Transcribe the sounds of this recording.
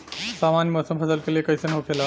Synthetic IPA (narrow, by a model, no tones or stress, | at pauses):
samanjemɔːsəmpʰəsəlkeliekəjsənɦokʰela